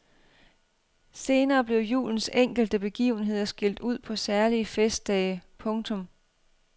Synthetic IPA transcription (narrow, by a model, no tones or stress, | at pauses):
se̝ːnɐːb̥le̝ʊjṵːln̩seŋ̰ɡ̥l̩d̥əb̥e̝ɡ̥ḭːʊn̩ɦe̝ð̞̰ˠɐsɡ̥il̰d̥uð̞̰ˠpʰɒ̽sæɐliəfesd̥̚ɛːɪpʰɔ̽ŋt͡sʰɔ̽m